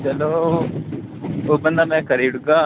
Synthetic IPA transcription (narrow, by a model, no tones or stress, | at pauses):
t͡ʃəloː | oːbənd̪aːmɛ̃ːkəɾiːɽɡaː